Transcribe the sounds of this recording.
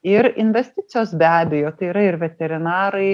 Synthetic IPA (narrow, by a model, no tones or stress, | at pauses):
ɪɾɪnʲʋʲɛsʲt̪ʲɪt̪sʲɪjoːsbʲæːbʲɛjoːt̪ɐɪiːɾɐɪɾʋʲɛt̪ʲɛɾʲɪnɑːɾɐɪ